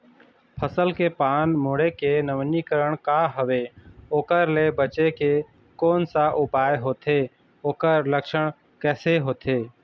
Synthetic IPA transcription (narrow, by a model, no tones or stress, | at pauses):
pʰəsəlkepaːnmoɽekenəmnikəɾəɽ̃kaɦəʋeoːkəɾlebət͡ʃeke | koːnsaʔʊpaːjɦoːt̪ʰeː | oːkəɾləkʃəɽ̃ | kɛːseɦoːt̪ʰeː